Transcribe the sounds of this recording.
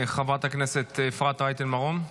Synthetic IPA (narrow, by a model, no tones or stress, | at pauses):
χavʁat̪akneset̪ːfʁat̪ʁajt̪enmaʁon